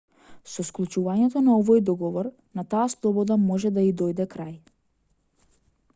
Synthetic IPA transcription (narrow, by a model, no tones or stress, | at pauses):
sɔsklˠut͡ʃuvaɲɛt̪ɔnaɔvɔjd̪ɔɡɔvɔɾ | nat̪aːslˠɔbɔd̪amɔʒɛd̪aid̪ɔjd̪ɛkɾaj